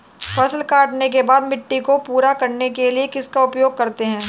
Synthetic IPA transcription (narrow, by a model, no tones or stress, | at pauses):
fɐsəlkaːʈnek̬ebaːd̪mɪʈːikopuːɾakɐɾnekeliekɪskaʊpjoːɡ̚kɐɾt̪eɦɛ̃ː